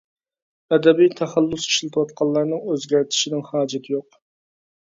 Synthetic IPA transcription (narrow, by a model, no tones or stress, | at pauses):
ɛd̪ɛbijt̪ʰæχælˠːʊsi̥ʃlɨt̪ʰwɑt̪̚qʰɑlˠːɑɾnɨŋøzɡʲæɾt̪ʰɪ̥ʃɪnɪŋhɑːd͡ʒɪt̪ʰɪjoq